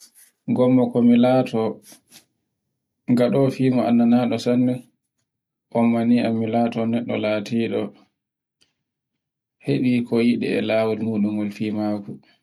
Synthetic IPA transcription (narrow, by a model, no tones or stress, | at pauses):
ŋɡɔmːɔkɔmilatɔ | ŋɡaɗɔfiːmɔʔa̰nːanaːɗɔsandɛ | ʔɔmːaniamilaːtɔnɛɗːɔ̰latiːɗɔ | heɗikʰɔjiɗɛ̰ɛ̰lawɔlmuːɗuŋɡɔlfiːmaku